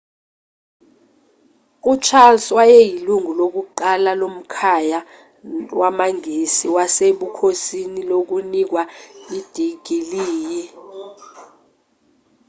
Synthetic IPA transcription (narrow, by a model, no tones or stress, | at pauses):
ut͡ʃʰalswajɛjiluŋulok̬uǃalalom̩kʰaja | wamaŋʱisiwaseɓukʰosinilok̬unik̬waid̥ʱiɡ̥ʱiliːji